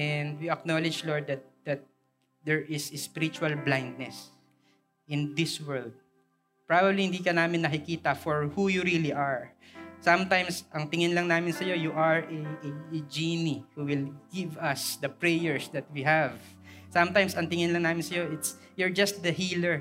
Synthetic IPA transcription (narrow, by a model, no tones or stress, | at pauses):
ʔɛnd̪wiɐknolɪd͡ʒlɔɹd̪̚ːɐt̪̚d̪̥ɐt̪̚ | d̪ɛɹʔɪsespɪɾɪt͡ʃʊɐlblãjnd̪̚nɛs | ʔɪ̃nd̪ɪswɛɹld̪̚ | pɹabɐblihɪnd̪iːkɐnaːmɪnːɐkɪkiːt̪ɐfɔɹhujuɹiliʔaɹsɐ̃mt̪ãjmsʔɐŋt̪ɪŋɪnlɐŋnaːmɪnsɐjo̞juʔɐɹɛd͡ʒinihuwɪlɡɪvɐsd̪ɐpɹɛjɛɹsd̪ɐt̪̚wihav | sɐ̃mt̪ãjmsɐŋt̪ɪŋɪnlɐŋnaːmɪnsɐjoʔɪt̪s | jɔɹd͡ʒɐst̪̚d̪ɐhiːlɛɹ